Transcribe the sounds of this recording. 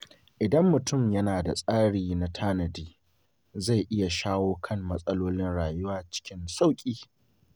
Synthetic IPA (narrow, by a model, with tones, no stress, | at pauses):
ʔɪ˨dɐ˦mːʊ˨tʊ˦˨mjɐ˦naː˨da̰˨sʼaː˦ɽiː˨na˦tʰaː˦nɐ˨diː˦ | za˦˨jʔɪ˦ja˨ʃaː˦woː˦kʰɐ˦˨mːɐ˦sʼɐ˦loː˦lɪ˦nɽaː˨jʊ˦waː˦t͡ʃɪ̥˦kʲɪ˦nsa˦˨wkʲʼiː˦